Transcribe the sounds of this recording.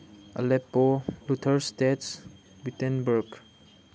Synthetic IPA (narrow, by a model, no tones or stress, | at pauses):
a̰lɛpːolutʰəɾstets | bitɛnbəɾɡ